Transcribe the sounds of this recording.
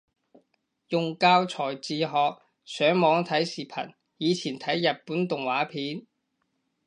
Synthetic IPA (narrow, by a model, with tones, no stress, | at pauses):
jʊ˨ŋkaː˧wt͡sʰɔː˨˩jt͡siː˨˧ɦɔː˨˧k̚ | sœː˨˥ŋmɔː˨˧ŋt̪ʰɐ˨˥jsiː˨pʰɐ̰˨˩n | jiː˨˧t͡sʰiː˨˩nt̪ʰɐ˨˥jːɐ˨t̚puː˨˥nt̪ʊ˨ŋwaː˨˥pʰiː˨˥n